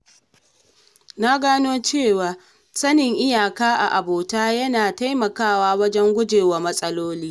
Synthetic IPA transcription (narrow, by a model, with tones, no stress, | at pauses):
naː˦ɡaː˦noː˦t͡ʃeː˦˨waː˨ | sɐ˦nɪ˨ŋʔɪ˦jaː˨kaː˦ʔa̰˨ʔa˨boː˨taː˦jɐ˦naː˨ta˦jmɐ˨kaː˦˨waː˦wɐ˦d͡ʒɛ˦ŋɡʷʊ˦d͡ʒeː˨wa˨mɐ˦sʼɐ˦loː˦liː˦